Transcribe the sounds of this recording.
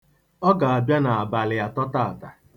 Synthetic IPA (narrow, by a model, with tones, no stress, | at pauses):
ɔ˦ɡa˨a˨bja˦na˨a˨ba˨lɪ˨ja˦tɔ˦ta˦a˨ta˨